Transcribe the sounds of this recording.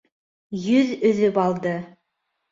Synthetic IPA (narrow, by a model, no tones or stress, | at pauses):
jɵðɵ̆ðɵpɑlˠd̪ɤ